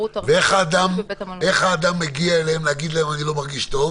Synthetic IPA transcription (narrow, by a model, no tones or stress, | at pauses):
veeχaːd̪amʔeχaːd̪amːeɡiaeleemleaɡid̪laemanilo̞maʁɡiʃt̪o̞v